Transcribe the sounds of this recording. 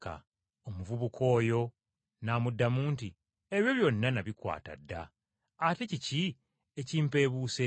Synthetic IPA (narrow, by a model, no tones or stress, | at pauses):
ka̰ | omuvuβukʰo̞ːjo̞ | naːmudːamuːnti | e̞βjo̞βjo̞nːanaβikwa̰ːta̰dːa̰ː | te̞cici | eciːmpe̞ːβuːse